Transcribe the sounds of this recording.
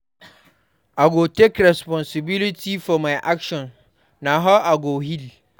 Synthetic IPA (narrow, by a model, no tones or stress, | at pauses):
ʔaɡotekɹɛspɔ̃nsɪbɪlɪtʰifɔmajʔakʃɔ̃nː | aɦaʔaɡohil